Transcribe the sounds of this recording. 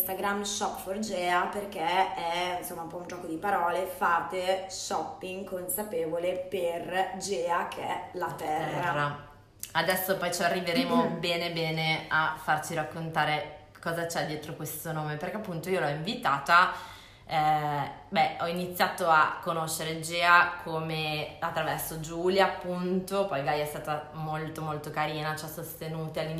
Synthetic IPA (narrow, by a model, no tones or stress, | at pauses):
st̪aɡɾamʃɔpford͡ʒɛːaperk̟eɛnsomːaumpɔund͡ʒɔːkod̪ipaɾɔːlefaːt̪eʃɔpːiŋkonsapeːvoleperd͡ʒɛːakʰeɛ̰lat̪ɛrːaːa | ad̪ɛsːopɔjt͡ʃarːiveɾeːmobɛːnebɛːneafːart͡ʃiɾakːont̪aːɾe | kɔːzat͡ʃɛd̪ːjɛːt̪ɾokwest̪onoːmeperkeapːunt̪oiolɔiɱvit̪aːt̪a | ɛbɛɔinit̪sːjaːt̪oakːonoʃːeɾed͡ʒɛːakʰomeat̪ːɾavɛrsod͡ʒuːljaːpːunt̪opɔjɡajɛst̪aːt̪amolt̪omolt̪okaɾiːnat͡ʃɛsost̪enuːt̪ealːi